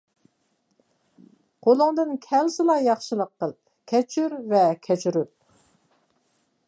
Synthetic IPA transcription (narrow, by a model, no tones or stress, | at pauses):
qʰolˠʊŋd̪ɨnkʲʰɛlsɨlˠɑjɑχʃɨlˠəqːəlˠ | kʲʰɛt͡ʃʰyɾvɛkʲʰɛt͡ʃʰyɾyp̚